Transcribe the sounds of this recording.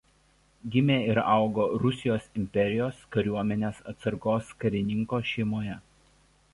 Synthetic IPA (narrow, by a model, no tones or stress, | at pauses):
ɡʲɪmʲeːɪɾɑˑʊɡoːɾʊsʲɪjoːsɪmʲpʲɛɾʲɪjoːskɐɾʲuɔmʲɛnʲeːsɐ̰t̪sɐɾkoːskɐɾʲɪnʲɪŋkoːʃʲɛɪmoːjɛ